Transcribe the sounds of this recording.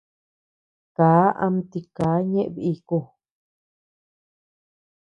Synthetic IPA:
kaː˨˦ʔa̰˧m˧t̪i˧kaː˨˦ɲẽ˦ʔβi˧i˧ku˧˨

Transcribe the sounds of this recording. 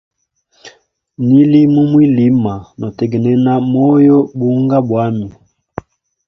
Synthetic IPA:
ni˦li˦mu˦mwi˦li˦ma˨nɔ˨tɛ˨ɡɛ˨nɛ˦na˦mɔ˦jɔ˦ɓu˨˦ŋɡa˦ɓwa˦mi˨

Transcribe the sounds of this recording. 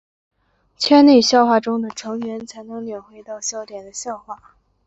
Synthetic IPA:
t͡ɕʰɥɛ˥nne˥˧ɪɕjɑ˥˧ʊxwa˥˩ʈ͡ʂʊ˥ŋd̪ə˨ʈ͡ʂʰɤ˧˥ŋɥɛ˧˥nt͡sʰa˧˥ɪnɤ˧˥ŋljɛ˨˩nxwe˧˥ɪt̪ɑ˥˩ʊɕjɑ˥ʊt̪jɛ˨˩nd̪ə˦ɕjɑ˥˧ʊxwa˥˩

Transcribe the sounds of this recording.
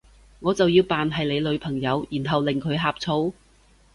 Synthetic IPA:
ŋɔː˨˧t͡sɐ˨wjiː˧wpaː˨nɦɐ˨jle˨˧jlɵ˨˧˥ɥpʰɐ˨˩ŋjɐ˨˧wjiː˨˩nɦɐ˨wlɪ˨ŋkʰɵ˨˧ɥɦaː˧p̚t͡sʰo˨˥w

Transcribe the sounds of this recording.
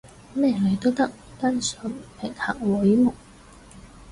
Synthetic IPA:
mɛː˥˩le˨˩jt̪o˥t̪ɐ˥k̚ | t̪a˥nsœ˨˥npʰɪ˨˩ŋha̰ː˨k̚wʊ˨˥jmʊ˨˩ŋ̚

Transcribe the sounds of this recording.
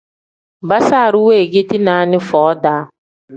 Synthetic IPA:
ba˦saː˦˨ɾʊ˦we˦˨ɡe˦ti˦na˨˦nɪ˦fɔː˨˦daː˦

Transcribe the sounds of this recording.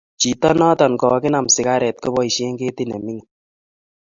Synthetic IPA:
t͡ʃi˨tɔ˦nɔ˦tɔ˨nkɔ˨kɪ˦na˨msɪ˨ka˦ɾɛ˨t̚kɔ˦bɔ˦i˨ʃe˦ŋɡe˦ti˦nɛ̰˨mi˦ŋ

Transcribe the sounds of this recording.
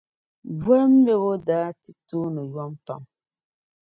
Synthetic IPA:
vɔ˦ɾm̩˦be˦wo˦daː˨˦tɨ˨tuː˦nɨ˨ja˦mpa̰˨m

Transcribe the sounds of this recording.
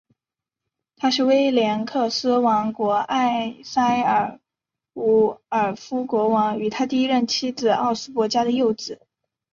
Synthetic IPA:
t̪ʰa˥ʂɻ̩˥˩we˥ɪljɛ˧˥nkʰɤ˥˩sɹ̩˥wɑ˧˥ŋkwɔ˧˥ʔa˥˩ɪsa˥ɪə˨˩ | u˧˥ə˞˨˩fu˥kwɔ˧˥wɑ˧˥ŋy˨˩t̪ʰa˥t̪i˥˧i˥ɻə˥˩nt͡ɕʰi˥d͡zɹ̩˨˩ɑ˥˩ʊsɹ̩˥pwɔ˧˥t͡ɕja˥d̪ə˨jo˥˩ʊt͡sɹ̩˨˩˦

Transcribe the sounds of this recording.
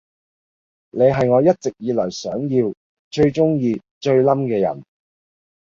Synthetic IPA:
ne˨˧jɦɐ˨jŋɔː˨˧jɐ˥t̚t͡sɪ˨k̚jiː˨˧lɔː˨˩jsœː˨˥ŋjiː˧w | t͡ʃɵ˧ɥt͡ʃʊ˥ŋjiː˧t͡ʃɵ˧ɥlɐ˥mkɛː˧jɐ̰˨˩n

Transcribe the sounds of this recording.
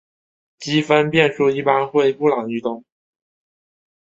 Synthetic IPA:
t͡ɕi˥fə˥npjɛ˥˧nʂu˥˧i˥˩pa˥nxwe˥˧ɪpu˥˩lɑ˨˩ŋy˥˧t̪ʊ˥˩ŋ

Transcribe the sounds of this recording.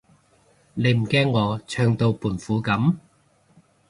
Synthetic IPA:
ne˨˧jm̩˨˩kɛː˥ŋːɔː˨˧t͡ʃʰœː˧ŋt̪o˧wpuː˨˩nfuː˨˧˥kɐ˨˥m

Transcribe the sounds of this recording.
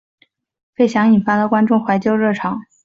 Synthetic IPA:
fe˥ɪɕjɑ˧˥ŋi˨˩nfa˥d̪ə˨kwa˥nʈ͡ʂʊ˥˩ŋxwa˧˥ɪt͡ɕjo˥ʊɻɤ˥˩ʈ͡ʂʰɑ˨˩˥ŋ

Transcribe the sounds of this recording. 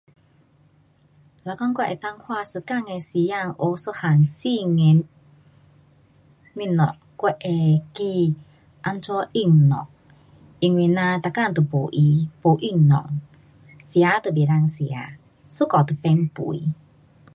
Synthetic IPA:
la˨kɔ˦ŋkʷɛ˦ʔɛ˨t̪a˧ŋhwa˧˨sə˨˧˨ka˥˧˨ŋe˧˨si˨˦ja˧˨ŋʔo˧so˧˦ha˨ŋsi˧ŋɛ˨ | mi˧˨nɔ̰˨ʔ | kɛ˧ʔɛ˨ki˧ | ʔa˧nt͡sɔ˧˦ʔi˧˨ŋnɔ̰˨ʔ | ʔi˧˨ŋwi˧˨nã˧t̪a˨ka˥˨ŋt̪ə˨po˨ʔi˧˦po˨ʔi˦˧˨ŋnɔ̰˨ʔ | si˧˨a˧˦t̪ə˨bi˨ɾa˧˨ŋsi˧˨a̰˨˦ | su˦kɔ˨t̪ə˨pɛ˧ŋpṵ˨i˨˦

